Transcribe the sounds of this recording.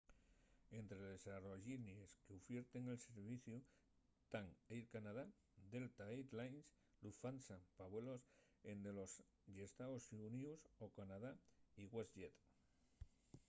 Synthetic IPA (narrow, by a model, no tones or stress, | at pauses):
e̞nt̪ɾeðesaroʝinjeskeufjeɾt̪e̞ŋe̞lse̞ɾβ̞iθju | t̪aŋejɾkanað̞a | d̪e̞lt̪aet̪lajns | lufansapaβwelo̞s | end̪elo̞s | ʝest̪aosuniusokanaðaiɣwesʝet̪